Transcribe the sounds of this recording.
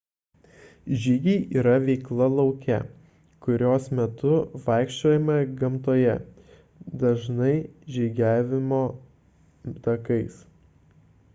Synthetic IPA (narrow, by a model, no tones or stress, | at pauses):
ʒʲiɡʲɛɪʔiːɾɐʋʲɛɪklˠɐlˠɒʊkʲɛ̰ | kʊɾʲoːsmʲɛt̪ʊʋɐˑɪkʃʲt͡ʃʲoːjɛmɐɡɐmt̪oːjɛ | d̪ɐʒnɐɪʒʲɪɡʲæːʋʲɪmoː | t̪ɐkɐɪs